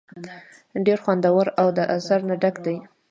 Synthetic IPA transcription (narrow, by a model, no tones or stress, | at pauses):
ɖeɾxwand̪awaɾawd̪əʔazaɾnaɖakd̪aj